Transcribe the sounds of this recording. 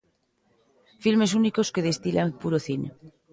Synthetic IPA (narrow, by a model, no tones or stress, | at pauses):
filme̞s̬unikoskeð̞est̪ilʔaŋpuɾoθine